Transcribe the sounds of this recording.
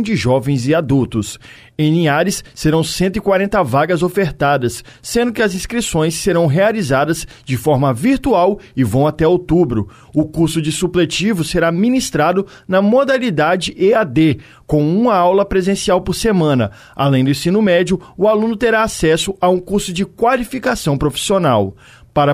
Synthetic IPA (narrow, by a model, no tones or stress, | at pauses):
d͡ʒɪʒɔvẽj̃zɪad̪uwt̪ʊs | ẽj̃nĩaɾɪsːeɾɐ̃w̃sẽnt̪̬ʊikwaɾẽnt̪ɐvaɡɐzofeɾt̪ad̪ɐsː | ẽnd̪ʊkɪɐzĩskɾisõj̃sːeɾɐ̃w̃ɦealizad̪ɐz | d͡ʒɪfɔɾmɐviɾt̪uawɪvɐ̃w̃at̪ɛot̪ubɾʊ | ʊkuɾsʊd͡ʒɪsuplet͡ʃivʊseɾamĩnist̪ɾad̪ʊ | nɐmod̪alid̪ad͡ʒɪead̪e | kõw̃ũmɐawlɐpɾezẽsiawpoɾsemɐ̃nɐ̰ | a̰lẽj̃d̪ʊẽsĩnʊmɛd͡ʒiʊʊalũnʊt̪eɾaasɛsʊaũkuɾsʊd͡ʒɪkwalifikasɐ̃w̃pɾofi̥sionaw | paɾɐ